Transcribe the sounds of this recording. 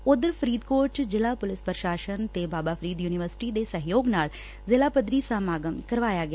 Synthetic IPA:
ʊd̪əɾpʰəɾiːd̪koːɾʈd͡ʒɪlaːpʊlɪspəɾəʃaːʃənt̪eːbaːbaːpʰɾiːd̪juːnɪʋəɾsɪ̥ʈiːd̪eːsəɦjoːɡnaːl | zɪlaːpəd̪ɾiːsaːmaːɡəmkəɾʋaːjaːɡɪa

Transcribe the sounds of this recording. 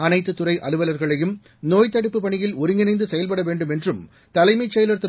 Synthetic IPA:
ɐnɐɪt̪ːɯt̪ːʊrɐɪʔɐɭɯʋɐlɐɾɣɐɭɐjɯm | noːjt̪ːɐɽɯpːɯpːɐɳɪjɪlɔɾɯŋɡɪnɐɪnd̪ɯsɛjɐlpɐɽɐʋeːɳɖɯmɛndrɯm | t̪ɐlɐɪmɐɪt͡ʃːɐjlɐɾt̪ɯ

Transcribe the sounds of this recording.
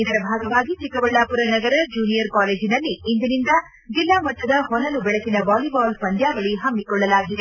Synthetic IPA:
id̪ɐɾɐbʱaːɡɐʋaːɡit͡ʃikɐʋɐɭːaːpuɾɐnɐɡɐɾɐd͡ʒuːnijɐɾkaːleːd͡ʒinɐlːiːnd̪inind̪ɐ | d͡ʒilːaːmɐt̪ːɐd̪ɐɦɔnɐnubɛɭɐsinɐbaːlibaːlpɐnd̪jaːʋɐɭiɦɐmːikɔɭːɐlaːɡid̪e

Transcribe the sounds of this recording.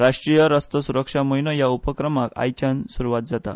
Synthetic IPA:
ɾaʂʈɾijəɾəst̪ɔsuɾəkʂaməjnɔjaupəkɾəmaka̰jt͡ɕansuɾuʋat̪̚d͡zat̪a̰

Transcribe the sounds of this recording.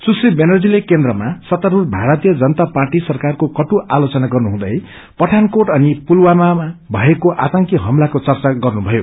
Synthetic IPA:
susribenʌrd͡zilekend̪rʌmasʌt̪aɾurbʱaɾʌt̪ijʌd͡zʌnʌt̪aparʈisʌrkarkokʌʈuʔalot͡sʌnaɡʌrnuɦũd̪ʌj | pʌʈʰankoʈʌnipulwamaabʱʌekoʔat̪ʌŋkiɦʌmlakot͡sʌrt͡saɡʌrnubʱʌjo̰

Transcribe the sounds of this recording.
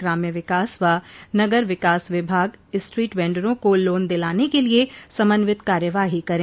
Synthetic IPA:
ɡɾaːmjəʋɪkaːsʋanɐɡəɾʋɪkaːsʋɪbʱaːɡɪsʈɾiːʈʋɛ̃ːɳɖəɾõkoloːnd̪ɪlaːnekeliesɐmənʋɪt̪kaːɾjəʋaːɦikɐɾẽː

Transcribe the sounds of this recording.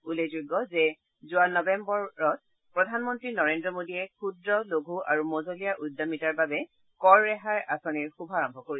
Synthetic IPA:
ulezuɡːɔzɛ | zuanɔbɛmbɔɹɔt̚ | pɹɔdʱanmɔntɹinɔɹendɹɔmodiɛkʰudɹɔloɡʱua̰ɹumozolijaʔudːamitaɹbabɛ | kɔɹːɛɦaɹasɔniɹxubʱɔaɹɔmbʱɔkoɹi

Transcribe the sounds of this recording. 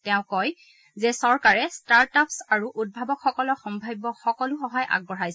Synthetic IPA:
tɛʊ̃kɔj | zɛsɔɹkaɹɛstaɹtapsaɹuʔud̚bʱabɔkxɔkɔlɔxɔmbʱajbɔxɔkɔlʊxɔɦajʔa̰ɡ̚bɔɹajs

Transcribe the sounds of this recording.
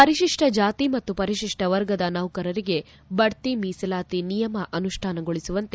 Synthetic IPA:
pɐɾiʃiʂʈʰɐd͡ʒaːt̪imɐt̪ːupɐɾiʃiʂʈɐʋɐɾɡɐd̪ɐnɐʋkɐɾɐɾiɡe̞ | bɐɽt̪imiːsɐlaːt̪inijɐmɐʔɐnuʂʈʰaːnɐɡoɭisuʋɐnt̪e

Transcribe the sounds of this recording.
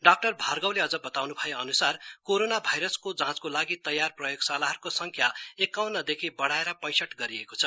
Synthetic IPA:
ɖak̚ʈʌrbʱarɡawleʌd͡zʌbʌt̪awnubʱʌjeʌnusarkoɾonabʱajɾʌskod͡zãt͡skolaɡit̪ʌjːarprʌjoɡsalaɦʌrkosʌŋkʰjaekawnʌd̪ekʰibʌɽaeɾʌpʌjsʌʈɡʌɾiekot͡sʰʌ

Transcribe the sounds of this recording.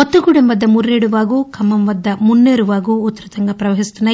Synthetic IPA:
ɔt̪ːɐɡuɽemʋɐd̪ːɐmurːeːɽuʋaːɡuːkʰɐmːɐmʋɐd̪ːɐmunːeːɾuʋaːɡuːt̪ːɐɾɐt̪ɐŋɡɐpɾɐʋɐɦist̪ɐnːɐ

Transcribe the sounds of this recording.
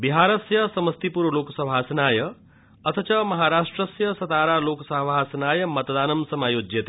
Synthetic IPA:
biɦaːɾɐsjɐsɐməst̪ipuɾʋloːksɐbʱaːsɐnaːjɐ | ɐt̪ʰət͡ʃɐmɐɦaːɾaːʂʈɾəsjɐsɐt̪aːɾaːloːksɐbʱaːsɐnaːjɐmɐt̪d̪aːnɐmsɐmaːjoːd͡ʒjet̪

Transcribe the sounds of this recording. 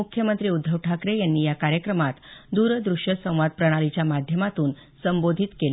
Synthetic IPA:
ukʰjəmənt̪ɾiːud̪ʱːəʋʈʰːakɾejanːiːjakaɾjəkɾəmat̪d̪uɾd̪ɾuʂjəsə̃w̃ʋad̪̚pɾəɽ̃alit͡ɕjamad̪ʱjəmat̪uːn | səmbod̪ʱit̪kel

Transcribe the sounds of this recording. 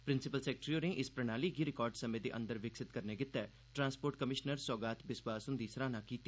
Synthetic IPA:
pɾɪnsɪpəlsɛːk̚ʈɾioːneʔɪspɾɛñaːliːɡiːɾɪkɔːɾɖsəmẽːd̪ḛːʔə̰̃nd̪əɾʋɪksɪt̪kəɾneːɡɪt̪ːɛː | ʈɾãːnspoːɾʈkəmɪʃnəɾsɔːɡaːt̪ʰbɪswaːsɦʊnd̪iːsɾãːnãːkiːt̪ːi

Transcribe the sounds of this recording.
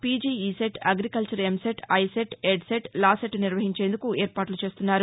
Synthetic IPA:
piːd͡ʒiːiːseʈɐɡɾikɐlt͡ʃɐɾemseʈɐjseʈeɖseʈlaːseʈniɾʋɐɦiɲt͡ʃe̞ːnd̪ukueːɾpaːʈlut͡ʃe̞ːst̪unːaːɾu

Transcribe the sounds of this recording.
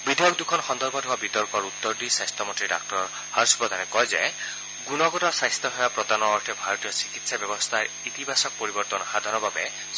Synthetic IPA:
bid̪ʱjɔk̚d̪ukʰɔnxɔnd̪ɔɾbɔd̪ʱɔabit̪ɔɾkɔɾut̪ːɔɾd̪isajst̪ʰɔmɔnt̪ɹiɖa̰k̚ʈɔɹ | haɾspɔd̪ʱanɛkɔɦjzaj | ɡunɔɡɔtɔsajst̪ɔɦɔjapɾɔd̪anɔːɹʈʰɛbʱaɾɔt̪ijɔsi̥kit̪sabjɔbɔst̪ʰaɹ | it̪ibʱasɔk̚pɔɾibɔɾt̪ɔnxad̪ʱaɾɔbʱabe

